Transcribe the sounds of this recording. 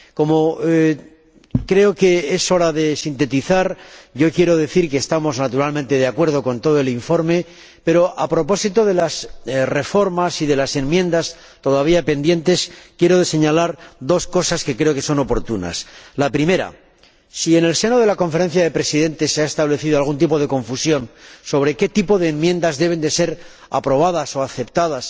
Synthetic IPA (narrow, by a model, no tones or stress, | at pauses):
ko̞mo | kɾe̞oke̞eso̞ɾaðe̞sint̪e̞t̪iθaɾʝo̞kje̞ɾoðe̞θiɾke̞ːst̪amo̞znat̪uɾalmẽ̞nt̪e̞ð̞eakwe̞ɾðo̞ko̞nt̪o̞ð̞oe̞liɱfo̞ɾme̞ | pe̞ɾo̞ʔapɾo̞po̞sit̪oðe̞lasre̞fo̞ɾmasiðe̞lase̞nmjẽ̞nd̪as | t̪o̞ðaβ̞iape̞nd̪je̞nt̪e̞skje̞ɾo̞ðese̞ɲalaɾðo̞sko̞saske̞kɾe̞o̞ke̞so̞no̞po̞ɾt̪una̰slapɾime̞ɾa̰ | sie̞ne̞lse̞no̞ð̞e̞lako̞ɱfe̞ɾe̞n̟θjaðe̞pɾe̞siðe̞nt̪e̞sːeaest̪aβle̞θiðo̞alɣunt̪ipo̞ð̞e̞ko̞ɱfusjo̞nso̞β̞ɾe̞ke̞t̪ipo̞ðe̞ːmmjẽ̞nd̪azðe̞β̞e̞nd̪e̞se̞ɾ | a̰pɾo̞β̞aðaso̞aθe̞pt̪aðas